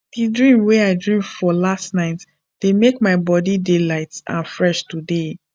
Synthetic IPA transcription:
d̥idɹĩmwɛaɪdɹĩmfɔlastnaɪt | d̥emekmaɪbɔdidelaɪtã̰nfɹɛʃtude

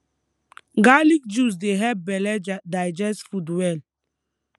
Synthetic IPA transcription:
ɡalik̚d͡ʒus̬deɦɛp̚bɛlɛd͡ʒdajd͡ʒɛsfudwɛl

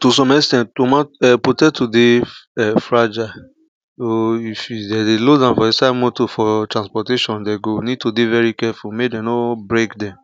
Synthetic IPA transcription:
tus̬ɔ̃mɛstɛ̃nttomãɛputɛtudeɛfɹad͡ʒa | soifidɛdelodãnfɔisamɔtofɔtɹãnspɔteʃɔ̃ndɛɡownid̚todevɛɹikɛfulmedɛ̃nobɹekdɛ̃m

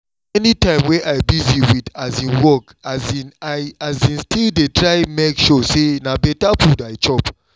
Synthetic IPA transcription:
ɛnitãɪ̃mweʔaɪbiziwidazĩnwɔk | azinaazĩnstildetɹaɪmekʃɔsenabɛtapʰudaɪt͡ʃɔp

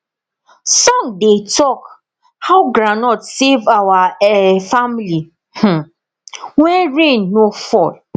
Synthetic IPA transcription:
sɔ̃ŋdetɔk | haʊɡɾanɔtsevawaɛfamili | h̩ | wɛ̃nɹẽnːofɔl

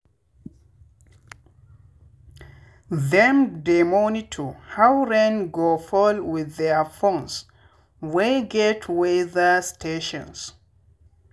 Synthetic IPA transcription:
ðɛ̃mdemonitʰuhawɹɛ̃nɡofɔlwɪðɛfõns | weɡɛtʰweðəstʰeʃɔ̰̃ns

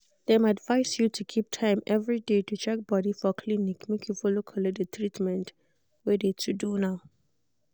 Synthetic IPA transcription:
dɛmadvajsjutʰukʰip̚tʰãɪ̃mɛvɹidetʰut͡ʃʰɛk̚bɔɾifɔkʰlinikmekʰjufɔlokʰɔlɛdət̪ʰɹitmɛ̃nt | wɛdetʰudunaʊ

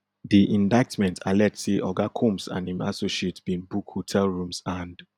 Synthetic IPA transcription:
diʔĩndaɪktmɛ̃ntʰalɛseʔɔɡakʰũmsã̰nĩma̰soʃietbĩnbukhotʰɛlɹũmsãnd

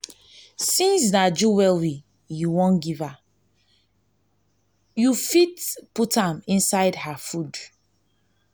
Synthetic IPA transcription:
sĩnsnad͡ʒuwɛlwi | juwɔ̃nɡiva | jufitputãmĩnsaɪdhafud

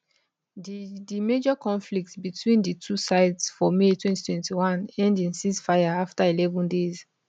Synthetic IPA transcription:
ddimed͡ʒɔkɔ̃nflik̚tbitʰwĩnditʰusaɪdsfɔmetwɛ̃nti̥tʰwɛ̃ntiwãnɛ̃ndĩnsisfajaaftailɛvɔ̃ndez

